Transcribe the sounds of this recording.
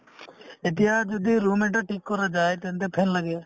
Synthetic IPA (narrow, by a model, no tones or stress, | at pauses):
et̪̬iɦad͡ʒɔd̪iɾumeʈaʈikːɔɾad͡ʒaːjt̪ɛɦnt̪̬epʰenlaɡɛa